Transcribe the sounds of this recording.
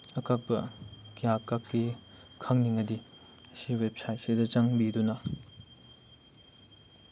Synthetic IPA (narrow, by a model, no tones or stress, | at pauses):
ɐkabɐkijakːakːi | kʰaŋniŋɐdi | ɐsiwep̚sajt̚sedɐt͡ʃaŋbidunɐ